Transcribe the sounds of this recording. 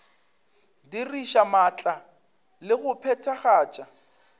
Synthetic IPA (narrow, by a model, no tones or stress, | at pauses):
diriʃamat͡ɬʼa | lɪɣʊpʰɛtʰaχaːt͡ʃʼa